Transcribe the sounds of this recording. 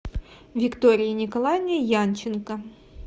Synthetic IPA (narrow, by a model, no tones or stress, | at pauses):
vʲɪkt̪oɾʲɪjənʲɪkɐlˠajnʲəjant͡ɕːɪnkə